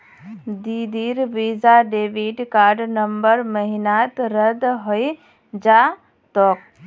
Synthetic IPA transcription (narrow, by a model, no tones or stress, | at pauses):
d̪id̪iːɾʋiːzaɖeːʋiɖkaːɾɖnɐmbəɾməɦɪnaːt̪ɾəd̪ɦoi | d͡ʒaː | t̪ɔːk̚